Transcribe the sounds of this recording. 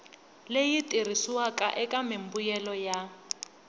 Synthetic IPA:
lejitʼirisiwakʼaʔɛkʼamɪmbujɛlɔja

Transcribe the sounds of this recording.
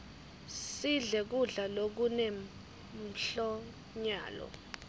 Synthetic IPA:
siɮɛk̬uɮalok̬une | m̩ɬɔ | ɲa̰ːlɔ̰

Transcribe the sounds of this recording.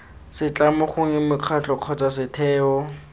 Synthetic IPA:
sɪt͡ɬʼamʊχʊŋɪmʊq͡χʰat͡ɬʼɔq͡χʰɔt͡sʼasɪtʰɛːɔ

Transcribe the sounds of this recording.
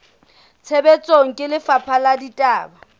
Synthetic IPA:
t͡sʰebɛt͡sʼoŋ̩kʼɪlɪfapʰaladitʼaːba

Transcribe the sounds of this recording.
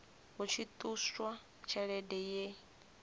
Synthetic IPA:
ɦut͡ʃʰit̪ʼuswa | t͡ʃʰaɺɛdɛje

